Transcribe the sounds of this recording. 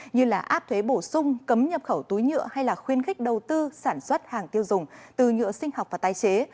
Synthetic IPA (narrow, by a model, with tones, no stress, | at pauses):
ɲɨ˧laː˨˩ʔaː˦˥p̚t̪ʰwe˨˦ɓo˧˩sʊ˧ŋ͡mkə˨˦mɲə˨˩p̚xə˧˩wt̪u˨˦jɲɨ̰˧˥əha˧jlaː˨˩xwi˧ənxk̟̚ɗə˨˩wt̪ɨ˧saː˧˩nswə˦˥t̚haː˨˩ŋt̪i˧əwzʊ˨˩ŋ͡mt̪ɨ˨˩ɲɨ̰˧əsï˧ŋ̟ha˨˩k͡p̚vaː˨˩t̪aː˧˩jt͡ɕe˨˦